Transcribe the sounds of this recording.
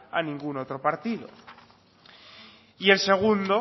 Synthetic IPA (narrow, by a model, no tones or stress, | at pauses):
a̰nĩŋɡunot̪ɾopaɾt̪iðo̰ | ie̞lse̞ɣ̞und̪o